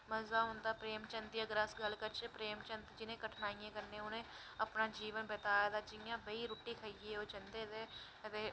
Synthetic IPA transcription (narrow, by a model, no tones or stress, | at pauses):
məzaːɦʊnd̪aːpɾeːmt͡ʃə̃nt̪iəɡəɾəsɡəlkəɾt͡ʃepɾeːmt͡ʃə̃nt̪d͡ʒɪnẽːkəʈʰnaːiẽːkəɾnẽːʊnẽː | əpnaːd͡ʒiːʋənbət̪aːjad̪aːd͡ʒɪjãːbəiːɾoːʈiːkʰəieoːt͡ʃənd̪eːd̪eː | ət̪eː